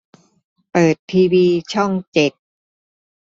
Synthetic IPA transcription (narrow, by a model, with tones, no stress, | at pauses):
pɤː˨˩t̪ʰːiː˧wiː˧t͡ɕʰɔ˥˩ŋt͡ɕe˨˩t̪̚